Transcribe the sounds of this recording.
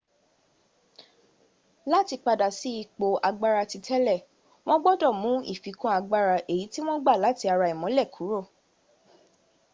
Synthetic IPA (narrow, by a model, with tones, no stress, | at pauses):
la˦ti˧k͡pa˧da˨si˨˦i˧˨k͡po˧a˧ɡ͡ba˧ɾa˧ti˧tʰɛ˦lɛ˦˨ | w̃ɔ̃˦ɡ͡bɔ˦dɔ˦˨mũ˨˦i˦˨fi˨˦kũ˦a˧ɡ͡ba˧ɾa˧ʔe˨ji˨˦ti˦w̃ɔ̃˦ɡ͡ba˦˨la˨˦ti˧a˧ɾa˧i˨mɔ̃˨˦lɛ˦˨kʰu˨˦ɾo˦˨